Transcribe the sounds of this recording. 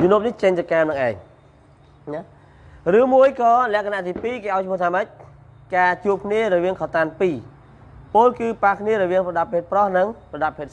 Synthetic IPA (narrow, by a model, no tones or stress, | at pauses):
junoəp̚niht͡ɕəɲt̪ɨkaːmnɨŋʔaɛŋ | n | rɨːmuəjkɑːlɛ̆əkanaʔt̪iːpiːkeːʔaɔjt͡ɕʰmuət̪ʰaːməc̚ | kaːt͡ɕuəp̚kʰniəɾɔʋiəŋkʰɑt̪aːnpiː | poːlkɨːpahkʰniəɾɔʋiəŋprɔɗapʰːeːt̪̚prɑhnɨŋprɑɗapʰeːt̪